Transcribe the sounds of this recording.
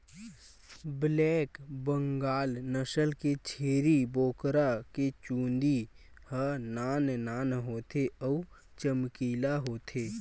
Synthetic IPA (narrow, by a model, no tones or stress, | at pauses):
blɛːkbə̃ŋɡaːlnəsəlket͡ʃʰeːɾiboːkɾaket͡ʃũːnd̪i | hənaːnnaːnɦoːt̪ʰeɔ | t͡ʃəmkiːlaɦoːt̪ʰeː